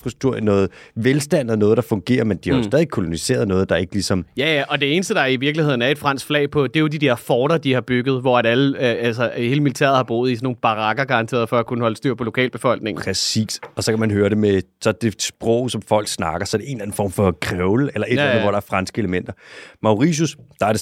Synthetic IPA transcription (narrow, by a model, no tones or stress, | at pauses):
fʁust͡sʰuɐ̰nɔ̽ːð̩ˠʋelsd̥æn̰ð̩ˠnɔ̽ːð̞̩ˠd̥ɑ̈fɔ̽ŋɡ̥e̝̰ːɐmend̥iæjosdɛðˠeɡ̥̚kʰːo̝lo̝nise̝̰ːɐðˠnɔ̽ːð̞̩ˠd̥ɑ̈e̝ɡ̥lisɒ̽mjæjæʔɒ̽d̥e̝e̝ːnəsd̥əd̥ɑ̈iʋiɐɡ̥lihe̝ð̰ˠn̩æɐe̝d̥fʁɑ̈n̰sɡ̥flɛ̰ːɪpʰɒ̽d̥e̝jo̝did̥eɐ̰fɒːɾ̥ɐd̥ihɑ̈b̥yɡ̥ð̞̩ˠʋɒæɾæləælsəhe̝ːləmilit͡sʰæ̰ɐ̰ð̩ˠhɑ̈b̥o̝̰ːð̩ˠisɒno̝ːn̩b̥ɑ̈ʁɑ̈ɡ̥ɐɡ̥ɑ̈ʁɑ̈nt͡sʰe̝̰ːɐð̞ˠfɒ̽ækʰunəhɒ̽ləsd̥yɐ̰pʰɒ̽lo̝kʰɛ̰ːlb̥e̝fɒ̽l̰ɡ̥̚ne̝ŋʰʁɛsḭːsɒ̽sɒ̽kʰæmænɦøːɐɾe̝mesɒ̽d̥e̝sb̥ʁɔ̰ʊ̰sɒ̽mfɒ̽l̰ɡ̥snɑ̈ɡ̥ɐsɒ̽æɐɾe̝e̝nlæn̩fɒ̰ːmfɒ̽kʰʁɛʊləelɐʔe̝dlænˠʋɒ̰ɾ̥ɑ̈æɐfʁɑ̈nsɡ̥əe̝ləmen̰d̥ɐmɑ̈ʊʁis̬usd̥ɑ̈æɐɾe